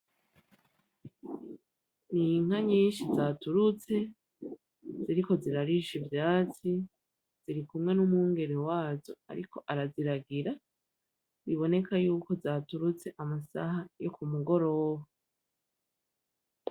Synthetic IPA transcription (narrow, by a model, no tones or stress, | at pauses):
niŋ̥aɲiːnʃizaːtuɾut͡se̞ | ziɾiko̞ziɾaɾiʃivjaːt͡si | z̥iɾikumŋe̞numuːŋɡe̞ɾewaːzo̞a̰ɾḭko̞ʔaɾaziɾaɡiɾa | βiβo̞ne̞kajuːko̞zatuɾut͡se̞ʔamasahajo̞kumuɡo̞ɾo̞ːwa